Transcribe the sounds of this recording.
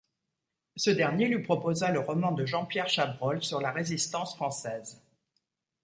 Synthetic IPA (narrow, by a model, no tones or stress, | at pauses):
səd̪ɛʁnjelɥipχɔpozaləʁɔmɑ̃d̪əʒɑ̃pjɛʁʃabʁɔlsyʁlaʁezist̪ɑ̃sfχɑ̃sɛːz